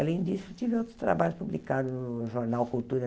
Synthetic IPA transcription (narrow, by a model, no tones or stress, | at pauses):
alẽj̃d̪isʊt̪ivɪot̪ɾʊ̥st̪ɾa̰baʎʊspublikad̪ʊnʊʒoɾnawkult̪uɾɐ